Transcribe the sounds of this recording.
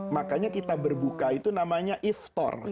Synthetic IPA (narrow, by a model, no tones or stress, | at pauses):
makaɲakit̪abərbukait̪unamaɲaʔift̪ɔ̰r